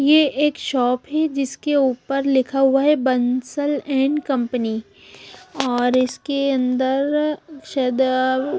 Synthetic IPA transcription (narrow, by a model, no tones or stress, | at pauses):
jeʔeːkʃɔːpɦɛd͡ʒɪskeuːpəɾlɪkʰaɦʊaɦɛbɐnsəlɛ̃ːɳɖkɐ̃mpəni | ɔːɾɪskeɐ̃nd̪əɾʃɐd̪